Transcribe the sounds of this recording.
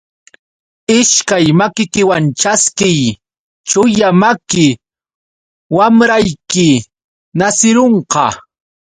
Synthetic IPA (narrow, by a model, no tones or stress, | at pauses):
ɪʃkajmakɪkɪwant͡ʃaskɪj | t͡ʃʊjamakɪ | wamɾajkɪ | nasɪɾoɴqɑ